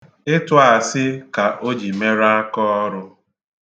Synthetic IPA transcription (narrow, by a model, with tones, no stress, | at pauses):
ɪ˦tʊ˦a˨sɪ˦ka˨ʔo˦d͡ʒi˨me˦ɾa˦a˦kɔ˦ɾʊ˦